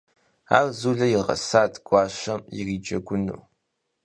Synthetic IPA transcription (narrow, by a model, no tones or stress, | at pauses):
a̰ːrzuːɮɐjɪrʁɐ̰saːtɡ̥ʷɑːɕɐmjḭriːd͡ʒɐɡʷʊnṵː